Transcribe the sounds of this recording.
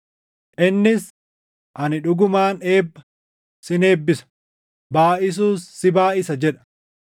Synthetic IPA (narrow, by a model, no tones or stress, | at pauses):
ʔɪnːɪs | ʔɐnɪᶑʊɡʊmaːne̞ːbːɐ | sɪne̞ːbːɪsɐ̥ | baːʔɪs̬uːsːɪbaːʔɪsɐd͡ʒɛᶑɐ̥